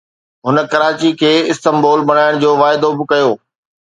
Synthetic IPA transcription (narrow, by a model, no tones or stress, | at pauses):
ɦʊnə̆kɐɾaːt͡ɕikʰeːɪst̪əmbɔːlbɐɽ̃aːɪɽ̃d͡ʑoːʋaːɪd̪obɪkɐjoː